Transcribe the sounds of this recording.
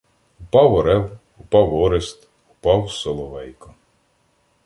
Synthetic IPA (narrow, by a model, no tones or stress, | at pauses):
ʊpɑwɔɾɛw | upɑwɔɾest̪ | ʊpɑwsɔlˠɔʋɛjkɔ